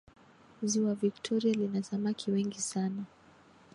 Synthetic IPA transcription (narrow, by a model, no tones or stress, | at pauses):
ziwaviktʰɔɾialinasamakʰiwɛŋɡisana